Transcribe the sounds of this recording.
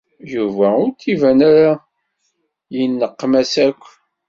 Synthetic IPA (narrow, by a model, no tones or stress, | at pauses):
juvæʊɾt̪ːivænaɾa | jənːəqːmæsækʷː